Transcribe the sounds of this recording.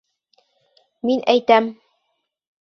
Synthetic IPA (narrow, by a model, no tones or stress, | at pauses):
minʔæjt̪æm